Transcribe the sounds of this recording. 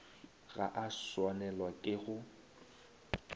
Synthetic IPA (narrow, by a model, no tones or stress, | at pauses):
ɣa̰ʔaswanɛlwakʼɪɣʊ